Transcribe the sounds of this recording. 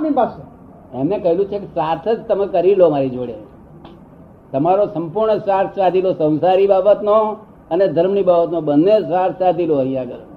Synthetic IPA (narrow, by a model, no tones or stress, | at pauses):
mipase | emnekəɦelũt͡ʃʰekesat̪ʰed͡ʒt̪əmekəɾilomaɾid͡ʒoɽe | t̪əmaɾosəmpuɾɳəsʋaɾsad̪ʱilosə̃w̃saɾibabət̪no | əned̪ʱəɾmɳibabət̪nobənːesʋaɾsad̪ʱiloəɦĩjãɡəɾ